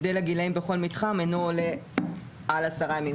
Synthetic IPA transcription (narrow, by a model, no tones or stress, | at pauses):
d̪elaɡilaimbeχo̞lmitχamenoːle | alasaʁajami